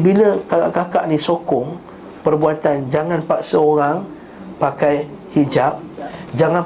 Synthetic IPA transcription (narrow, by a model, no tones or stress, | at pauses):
biləkaakakaʔnĩsokɔŋ | pərbuat̪and͡ʒaŋanpaʔsəoɾaŋ | pakaj | hid͡ʒap̚d͡ʒaŋãn